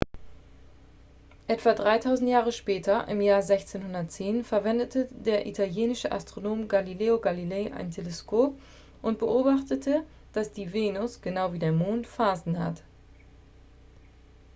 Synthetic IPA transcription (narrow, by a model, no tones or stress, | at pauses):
ʔɛtv̥adʁaɪtʰaʊzn̩tjaːʁəʃpɛːtʰɐʔɪ̰mjaːɐzɛçt͡seːnhʊndɐtt͡seːnfɛɐvɛndətʰədeːɐʔḭtʰaljeːnɪʃəʔa̰stʁ̥onoːmɡalileːoɡalilɛːʔa̰ɪntʰeleskʰoːp̚ | ʔʊnt̚b̥əʔoːbaχtətʰə | d̥asd̥iːveːnʊsɡ̥ənaʊviːdeːɐmoːntfaːzn̩ha̰t